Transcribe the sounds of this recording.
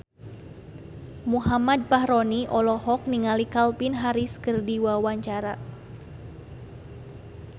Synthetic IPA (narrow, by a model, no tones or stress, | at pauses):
muɦamad̪̚pahɾɔniʔɔlɔɦɔk̚niŋalikalpinɦaɾiskərdiwawaɲt͡ʃaɾa